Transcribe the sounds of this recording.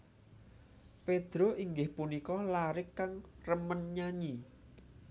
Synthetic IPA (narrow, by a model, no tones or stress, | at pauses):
ped̪̥ɾoʔiŋɡɪhpunikɔlaɾɪkːaŋrəmənɲaɲi